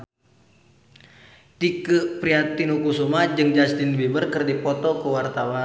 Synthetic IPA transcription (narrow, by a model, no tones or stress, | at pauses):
t̪ikəpɾiat̪inukusumad͡ʒɨŋd͡ʒast̪inbibərkərdipɔt̪ɔkəwart̪awa